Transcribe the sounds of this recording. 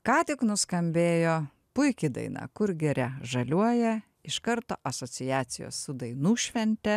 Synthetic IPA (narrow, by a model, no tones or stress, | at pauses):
kɑːt̪ʲɪknʊskɐmʲbʲeːjoː | pʊɪkʲɪd̪ɐ̰ɪnɑ̰ːkʊɾɡʲɪɾʲɛʒɐlʲuɔjɛ | ɪʃkɐɾt̪o̰ːʔɐsoːsʲɪjæːsʲɪjo̰ːsʊd̪ɐɪnuːʃʲʋʲɛnʲt̪ʲɛ